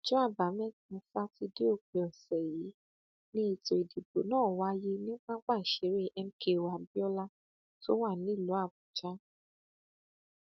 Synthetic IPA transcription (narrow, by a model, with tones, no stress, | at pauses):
d͡ʒɔ˦a˦˨ba˨˦mɛ̃˦˨kũ˧fa˦ti˧de˦o˦˨k͡pe˨ɔ˨sɛ˨ji˨˦ | nĩ˦i˧˨to˨i˨di˨bo˨˦nãː˦˨wa˧˦je˦nĩ˦k͡pã˦k͡pa˦˨i˨ʃe˨˦ɾe˦˨ʔɛ˧m̩˦ke˧˨wa˨bi˦ɔ˦la˦ | to˦wa˦˨nĩ˦˨lo˨˦a˦˨bu˨d͡ʒa˦